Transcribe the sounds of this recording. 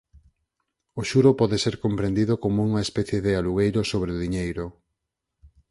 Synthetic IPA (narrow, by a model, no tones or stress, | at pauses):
ʊʃuɾʊpɔðeseɾkompɾend̪iðʊkomouŋɐespɛθjeðɪaluɣejɾʊsoβɾeʊðiɲejɾʊ